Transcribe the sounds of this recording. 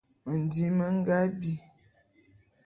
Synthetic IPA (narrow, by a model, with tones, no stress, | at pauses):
mə˨n˨di˨˦mə˦ŋ˦ɡa˦bi˦